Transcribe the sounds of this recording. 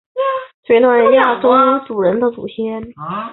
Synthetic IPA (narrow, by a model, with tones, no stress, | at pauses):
t͡ɕwɛ˧˥t̪ʰwa˧˩nɻə˧˥nja˥˩ʈ͡ʂo˥t͡su˨˩ɻə˧˥nd̪ə˧t͡sṵ˨˩ɕʰjɛ˥n